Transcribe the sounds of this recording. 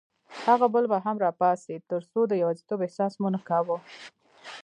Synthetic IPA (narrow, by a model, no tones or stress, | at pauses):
haɣabəlbaɦamɾɑpɑsit̪əɾsod̪əjawazit̪obɪhsɑsmunəkawə